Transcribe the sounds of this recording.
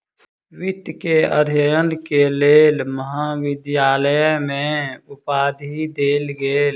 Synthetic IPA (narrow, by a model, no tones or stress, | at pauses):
ʋɪt̪keəd̪ʱjəjənkeleːlməɦaʋɪd̪jaːləjmẽʊpaːd̪ʱid̪eːlɡeːl